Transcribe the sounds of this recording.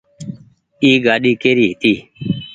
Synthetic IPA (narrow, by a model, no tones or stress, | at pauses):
iːɡaːɗiːkeːɾiːɦɪt̪iː